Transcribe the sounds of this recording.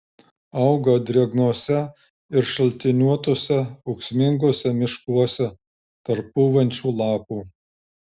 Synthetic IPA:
ɐʊɡɐd̪ʲɾʲiɐɡnoɔsʲɛ | ɪɾʃɐlʲt̪ʲɪnʲuɔt̪oːsʲɛɐʊksʲmʲɪŋɡoːsʲɛmʲɪʃkuɔsʲɛ | t̪ɐɾpːuːʋɐnʲt͡ʃʲuːlˠɑːpuː

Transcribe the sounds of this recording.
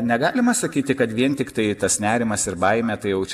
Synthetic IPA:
nʲɛɡɑːlʲɪmɐsɐkʲiːt̪ʲɪkɐt̪ʋʲiɛnt̪ʲɪkt̪ɐɪt̪ɐsnʲæːɾʲɪmɐsɪɾbɐɪmʲɛt̪ɐɪjɛʊt͡ʃʲ

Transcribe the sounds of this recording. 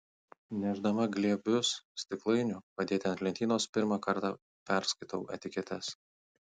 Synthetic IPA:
nʲɛʒd̪ɐmɐɡlʲiɛbʲʊssʲt̪ʲɪklˠɐɪnʲʊpɐd̪ʲeːt̪ʲɪɐnt̪ʲlʲɛnʲt̪ʲiːnoːspʲɪɾmɑkɐɾt̪ɑ | pʲɛɾskɐɪt̪ɐʊɛ̰t̪ʲɪkʲɛt̪ʲɛs

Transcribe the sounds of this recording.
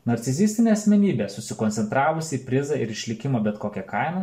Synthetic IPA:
nɐɾʲt̪sʲɪzʲisʲt̪ʲɪnʲeːɐsʲmʲɛnʲiːbʲeːsʊsʲɪkonʲt̪ʲɛnt̪ɾɑːʋʊsʲɪiːpʲɾʲɪzɐɪɾɪʃʲlʲɪkʲɪmoːbʲɛt̪koːkʲɛkɐɪmɐ

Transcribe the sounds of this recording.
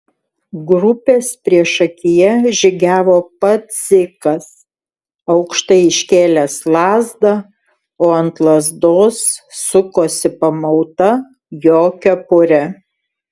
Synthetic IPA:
ɡɾʊpʲeːspʲɾʲiɛʃɐkʲɪjɛʒʲɪɡʲæːʋoːpɐt̪zʲɪkɐs | ɐʊkʃt̪ɐɪɪʃʲkʲeːlʲæslˠɑːzd̪ɐ | oːɐnt̪lˠɐzd̪oːsːʊkoːsʲɪpɐmɐʊt̪ɐ | joːkʲɛpʊɾʲɛ

